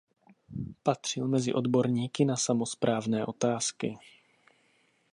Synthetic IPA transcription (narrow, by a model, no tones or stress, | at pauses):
pat̪r̝̥ɪlmɛzɪ̰ʔo̞d̪bo̞ɾɲiːkɪnasamospɾaːvnɛːʔo̞t̪aːskɪ